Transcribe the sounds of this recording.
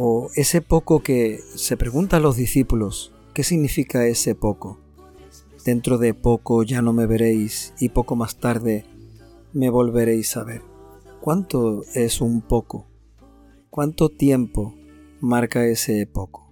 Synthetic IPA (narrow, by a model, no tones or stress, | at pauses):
oe̞sepo̞koke̞se̞pɾeɣ̞ũnt̪alo̞zðiθipulos | ke̞siɣnifikae̞se̞po̞ko | d̪̥e̞nt̪ɾoðepo̞koʝanõ̞me̞βe̞ɾe̞jsipo̞ko̞mast̪aɾðe̞ | me̞β̞o̞lβe̞ɾe̞jsaβe̞ɾ | kwant̪oe̞sumpo̞ko | kwant̪ot̪je̞mpo̞ | maɾkae̞se̞po̞ko̥